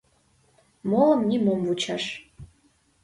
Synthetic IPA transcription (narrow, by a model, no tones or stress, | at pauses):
moləmnʲimomvut͡ɕɑʃ